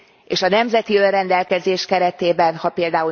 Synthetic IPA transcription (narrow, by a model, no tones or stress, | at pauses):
eːʃɒnɛmzɛt̪iønrɛnd̪ɛlkɛzeːʃkɛɾɛt̪eːbɛnhɒpeːld̪aːu